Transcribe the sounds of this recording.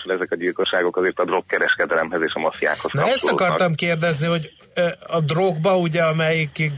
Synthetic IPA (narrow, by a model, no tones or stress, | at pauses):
ʃulɛzɛkɒɟilko̞ʃːaːɡo̞kɒzeːrt̪ɒd̪ro̞kːɛɾɛʃkɛd̪ɛlɛmhɛzeːʃɒmɒfija̰ːkhosnɒɛst͡ʃtoɒoːkɒrt̪ɒmkeːrd̪ɛzniɦo̞ɟ | ɒd̪roɡbɒuɟɛɒmɛjik